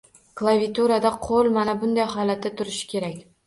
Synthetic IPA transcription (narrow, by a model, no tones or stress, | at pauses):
klˠavit̪ʰuɾad̪aqʰolˠmanabʊnd̪ajɦɒlat̪ːat̪ʰʊɾɪʃɪ̥kʲʰe̞ɾakʲ